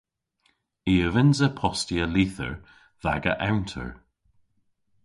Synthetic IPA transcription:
iːəvɪnzəpʰɔstiəliːθə̰ɹ | ða̰ɡə̰ʔawntʰə̰ɹ

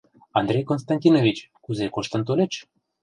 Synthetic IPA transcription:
ɑnd̪ɾejkonst̪ɑnʲt̪ʲinovʲit͡ɕ | kuzekoʃt̪ə̆nt̪olʲet͡ɕ

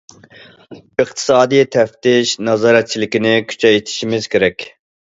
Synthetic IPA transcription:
ɨq̚t̪ʰɨ̥sɑːd̪ɨjt̪ʰɛft̪ɪʃnɑzɑːɾɛt̪̚t͡ʃʰilɪkʲinɪkʲʰy̥t͡ʃʰɛjt̪ʰɪ̥ʃimɪz̥kʲʰeɾɛkʲ

